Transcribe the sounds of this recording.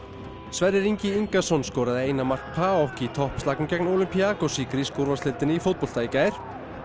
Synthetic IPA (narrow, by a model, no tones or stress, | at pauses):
svɛɾðɪɾiɲcɪiŋkasɔnskɔːɾaðɪeːjnamar̥k̚pʰaːɔwhciːt̪ʰɔhpst̪aknʏcɛknowlʏmpiakɔsiːkɾiskowɾvaɾst̪ɪlt̪ɪnɪifowt̪pɔl̥t̪aːjcaɪɾ̥